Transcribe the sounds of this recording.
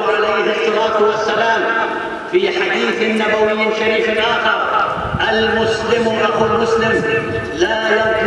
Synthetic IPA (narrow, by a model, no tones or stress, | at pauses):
ʕalajhɑsˤːɑlaːt̪wasːalaːm | fiːħad̪iːθnːabawɪjːɪʃaɾiːfnʔaːxɑɾˤ | ʔalmʊslɪmʔɑqulmʊslɪm | laːlamk